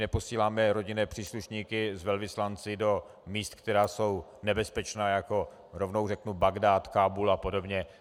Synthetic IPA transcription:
nɛpo̞siːlaːmɛɾo̞ɟɪnɛːpr̝̥iːsluʃɲiːkɪzvɛlvɪslant͡sɪdo̞ | miːst̪kt̪ɛɾaːso̞w | nɛbɛspɛt͡ʃnaːjako̞ | ɾovnowrɛknubaɡdaːt̪kaːbulapo̞do̞bɲɛ

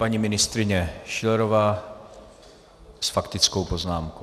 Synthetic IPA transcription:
paɲimɪnɪst̪ɾɪɲɛʃɪlɛɾovaː | sfakt̪ɪt͡sko̞wpo̞znaːmko

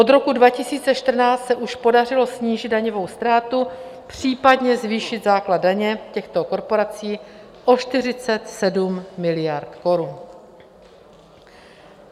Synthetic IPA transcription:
ʔo̞d̪ɾo̞kudvacɪsiːt͡sɛʃt̪r̩naːt͡st̪sɛʔuʃpo̞darɪlo̞sɲiːʒɪd̪daɲovo̞wst̪ɾaːt̪upr̝̥iːpadɲɛzviːʃɪt̪zaːkladdaɲɛcɛxt̪oko̞ɾpo̞ɾat͡siː | ʔo̞ʃt̪ɪr̝ɪt͡sɛt̪sɛdummɪlɪjaɾt̪ko̞ɾun

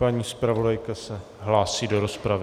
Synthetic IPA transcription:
paɲiːspɾavo̞dajkasɛ | ɦlaːsiːdo̞ɾo̞spɾavɪ

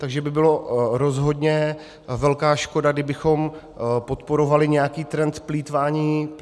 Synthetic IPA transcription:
t̪aɡʒɛbɪbɪlo̞ɾo̞zɦo̞dɲɛ | vɛlkaːʃko̞daɡdɪbɪxo̞m | po̞t̪po̞ɾo̞valɪɲɛjakiːt̪ɾɛnt̪spliːt̪vaːɲiː

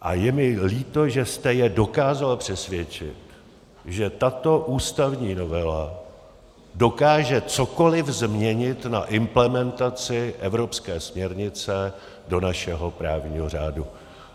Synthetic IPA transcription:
ʔajɛmɪliːt̪o̞ʒɛst̪ɛjɛdo̞kaːzalpr̝̥ɛsvjɛt͡ʃɪ̰t̪ | ʒɛt̪at̪o̞ʔuːst̪avɲiːno̞vɛla | do̞kaːʒɛt͡so̞ko̞lɪvzmɲɛɲɪt̪na̰ʔɪmplɛmɛnt̪at͡sɪʔɛvɾo̞pskɛːsmɲɛɾɲɪt͡sɛ | do̞naʃɛɦo̞pɾaːvɲiːɦo̞r̝aːdu

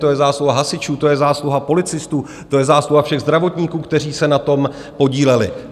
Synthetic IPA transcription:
t̪o̞jɛzaːsluɦaɦasɪt͡ʃuːt̪o̞jɛzaːsluɦapo̞lɪt͡sɪst̪uː | t̪o̞jɛzaːsluɦafʃɛɣzd̪ɾavo̞t̪ɲiːkuːkt̪ɛr̝iːsɛnat̪o̞m | po̞ɟiːlɛlɪ̰

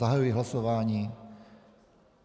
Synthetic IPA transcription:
aɦajujiɦlasɔʋaɲiː

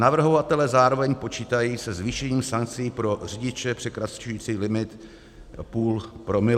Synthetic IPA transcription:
navr̩ɦo̞vat̪ɛlɛzaːɾo̞vɛɲpo̞t͡ʃiːt̪ajiːsɛzviːʃɛɲiːmsaŋk̚t͡sɪiiːpɾo̞r̝ɪɟɪt͡ʃɛpr̝̥ɛkɾat͡ʃujiːt͡siːlɪmɪt̪ | puːlpɾo̞mɪl

